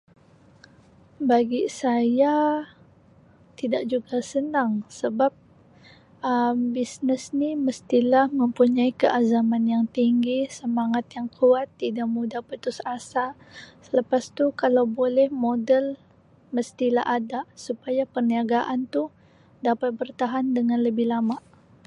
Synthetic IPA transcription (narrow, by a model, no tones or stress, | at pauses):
baɡisaja | t̪idaʔ̚d͡ʒuɡasənaŋsəbap̚ | əmbisnəsniməst̪ilahməmpuɲaikəʔazamanjaŋt̪iŋɡisəmaŋat̪jaŋkʰuat̪ːidaʔmudahpət̪ʊsasa | sələpast̪ukalawbolɛhmodəl | məst̪ila̰hadasupajapərniaɡaʔant̪u | dapat̪̚bərt̪aɦandəŋanləbɪhlamaʔ